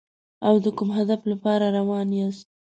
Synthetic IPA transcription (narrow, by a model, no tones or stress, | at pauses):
awd̪əkumɦad̪aflapɑɾaɾawɑnjas